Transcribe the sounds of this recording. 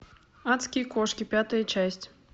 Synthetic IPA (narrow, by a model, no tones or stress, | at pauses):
at̪skʲijkɔʂkʲipʲat̪ɐjɐt͡ʃasʲt͡sʲ